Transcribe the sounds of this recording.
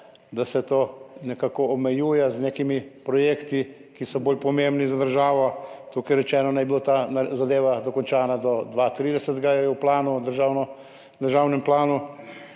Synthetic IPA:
d̪asɛt̪oːnɛkakɔːmɛjuːjɛznekimipɾɔjeːkt̪i | kisɔboːlpɔmembnizad̪əɾʒaːʋɔt̪ukɛjɾɛt͡ʃɛːnɔnajbilot̪aazad̪eːʋad̪ɔkɔnt͡ʃaːnad̪ɔd̪ʋat̪ɾiːd̪ɛsət̪ɡajɛɛwplaːnud̪əɾʒaːwnɔ | d̪əɾʒaːwnɛmplaːnu

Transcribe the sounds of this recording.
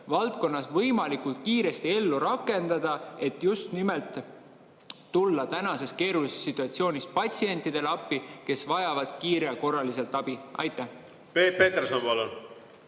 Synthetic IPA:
vɑlt̪ko̞nːɑsvɤjmɑlikult̪kiːɾe̞st̪ie̞lːuɾɑkːˑe̞nd̪̥ɑd̪̥ɑe̞t̪just̪nime̞lt̪ | ulːɑt̪ænɑse̞ske̞ːɾulisesːit̪ːˑuɑt̪sio̞ːnʲispɑt̪ʲsie̞nʲt̪ːˑid̪̥e̞lɑpːike̞svɑjɑvɑd̪̥kiːɾeko̞rːɑlise̞lt̪ːˑɑb̥iʔɑ̰jt̪ːˑæh | pepeːt̪ersonpɑlon

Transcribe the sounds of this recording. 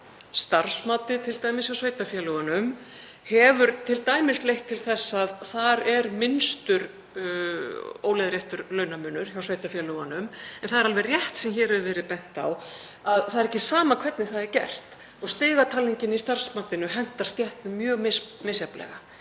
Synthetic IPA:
st̪ar̥smaːt̪ɪt̪ʰɪlt̪aːjmɪsjawsveːjt̪afjɛlʏɣanʏm | hɛvʏɾt̪ʰɪlt̪aːjmɪslejht̪ʰːɪlθɛsːaðθaɾɛɾmɪnst̪ʏɾ | o̰ːwlɛjðɾjɛht̪ʏɾlœːɥnamʏːnːʏɾ̥çawsveːjt̪afjɛlœɣanʏmɛnθaðɛɾalvɛrjɛht̪sɛmçɛːɾɛvɛːɾɪpɛn̥t̪a̰w | aðθaðɛɾɛhcɪsaːmakʰvɛt̪nɪθaðɛɾcɛ̰r̥t̪ | ɔɣst̪ɪːɣat̪ʰalːiɲcɪnist̪ar̥smaːt̪ɪnʏɦɛn̥t̪aɾ̥st̪jɛht̪mɪmjœːɣmɪmɪsjaplɛ̰ɣa

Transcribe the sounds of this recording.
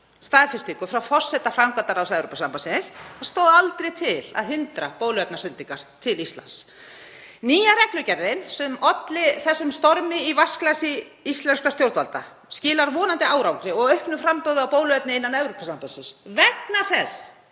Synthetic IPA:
st̪aːðfɪst̪ikʏfɾawfɔr̥sɛt̪afɾawŋkant̪aɾawsɛvɾopːasampasɪ̃shaðst̪oːwðalt̪ɾejt̪ʰɪla̰ðɦʏnt̪ɾapoːwlʏvɛp̪̚nasʏnt̪iŋkaɾ̥t̪ʰɪlist̪la̰ns | niːjaɾɛklʏcɛɾðɪnsɛmɔt̪lɪθɛsːʏmst̪ɔɾmɪivasklasɪ | ist̪lɛnskast̪jowɾt̪valt̪a | scɪːlaɾvɔːnant̪ɪʔaːwɾawkɾɪɔɣœɥhpnʏfɾampœðʏawpoːwlʏvɛt̪nɪɪnːanɛvɾopasampansɪnsvɛknaθɛs

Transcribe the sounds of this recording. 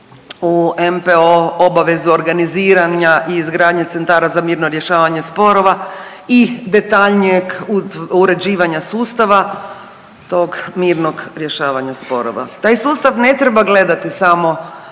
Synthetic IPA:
uempeoobaʋe̞zuoɾɡaniziːɾaɲaʔiːzɡɾaːd̪ɲet̪se̞nt̪aːɾazamiːɾnoɾje̞ʃaːʋaɲe̞spo̞ɾo̞ʋa | id̪e̞t̪aʎɲeɡuuɾe̞d͡ʑiːʋaɲasuːst̪aʋa | t̪o̞ɡmiːɾnoɡɾje̞ʃaːʋaɲaspo̞ɾo̰ʋa̰t̪aːjsuːst̪aʋne̞t̪ɾebaɡle̞d̪at̪isamo̞

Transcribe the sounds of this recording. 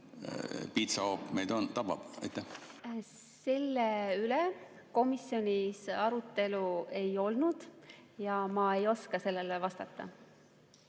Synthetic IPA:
pit̪sɑoːpmejd̪ont̪ɑb̥ɑ̰b̥ɑ̰jt̪ˑːæh | se̞lːeyle | ko̞misjo̞nʲisɑɾut̪ːˑe̞lue̞jo̞lnud̪̥jɑmɑejo̞skɑse̞lːelevɑst̪ɑt̪ːˑɑ̰

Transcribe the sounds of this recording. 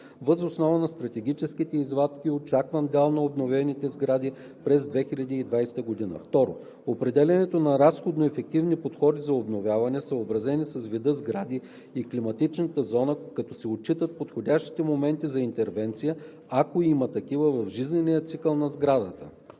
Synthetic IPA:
vəzosnɔvɐnɐst̪ɾɐt̪ɛɡʲit͡ʃɛskit̪ɛizvat̪kʲiot͡ʃakvɐnd̪ɛlˠnɐobnovʲɛnit̪ɛzɡɾad̪i | pɾɛzd̪vɛxilʲɐd̪iːd̪vajsɛ̥t̪əɡod̪inə̰ft̪ɔɾo̰ | opɾɛd̪ɛlʲɐnɛt̪onɐɾasxod̪noɛfɛk̚t̪ivnipot̪xɔd̪izɐobnovʲjavɐnɛsəobɾɐzɛnisɐzvid̪əzɡɾad̪iː | klimɐt̪it͡ʃnət̪əzɔnəkɐt̪ɔsɛot͡ʃːit̪ət̪̚pot̪xodʲaʃt̪i̥t̪ɛmomɛnt̪izɐint̪ɛɾvɛnt̪sijə | akoimət̪ɐkivəvɐvʒiznɛnijət̪sikəlˠnɐzɡɾad̪ət̪ə

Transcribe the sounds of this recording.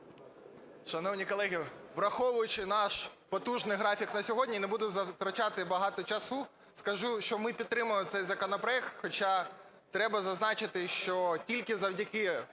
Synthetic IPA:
ʃɐnɔwnʲikɔlˠɛɦʲiʋɾɐxɔʋʊjʊt͡ʃɪnɑʃpɔt̪uʒnɪjɦɾɑfʲiknɐsʲɔɦɔdʲnʲinebud̪ʊzɐt̪ɾɐt͡ʃɑt̪ɪbɐɦɑt̪ɔt͡ʃɐsu | skɐʒuʃt͡ʃɔmɪpʲid̪̚t̪ːɾɪmʊjt̪sɛjzɐkɔnɔpɾɔɛkt̪xɔt͡ʃɑ | t̪ɾɛbɐzɐznɑt͡ʃɪt̪ɪʃt͡ʃɔtʲilʲkɪzɐwdʲɐkɪ

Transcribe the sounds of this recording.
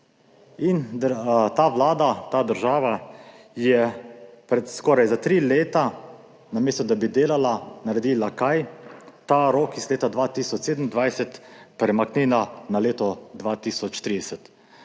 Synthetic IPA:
ind̪ət̪aʋlaːd̪at̪aːd̪əɾʒaːʋa | jɛpɾɛt̪skɔːɾajzat̪ɾileːt̪a | nameːst̪ɔd̪abid̪eːlalanaɾɛd̪iːlakajt̪aɾoːkizleːt̪ad̪ʋaːt̪iːsɔt͡ʃseːd̪əmnd̪ʋajsɛt̪pɾɛmakninanaleːt̪ɔd̪ʋaːt̪iːsɔt͡ʃt̪ɾiːd̪ɛsɛt̪

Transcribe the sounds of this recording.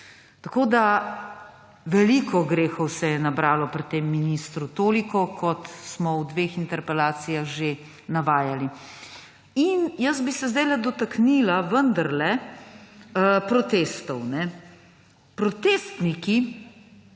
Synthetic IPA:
t̪akoːd̪a | ʋɛlikɔɡɾeːxɔwsɛjɛnabɾaːlɔpɾit̪ːemːinist̪ɾut̪oːlikɔkʰɔt̪smɔwd̪ʋeːxint̪ɛɾpɛlaːsijaxʒe | naʋaːjali | injəzbisɛzd̪ɛjlɛd̪ɔt̪aknilaʋənd̪aɾlɛ | pɾɔt̪eːst̪ɔwnɛ | pɾɔt̪eːst̪niki

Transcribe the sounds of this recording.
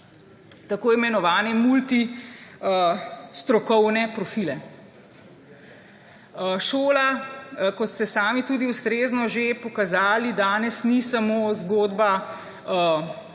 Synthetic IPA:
t̪akoːimɛnɔʋaːnɛmult̪iəst̪ɾɔkɔwnɛpɾɔfiːlɛ | ʃoːlakɔt̪st̪ɛsaːmit̪uːd̪iust̪ɾeːznɔʒepɔkazaːlid̪aːnɛsnisamoːzɡoːd̪ba | ə

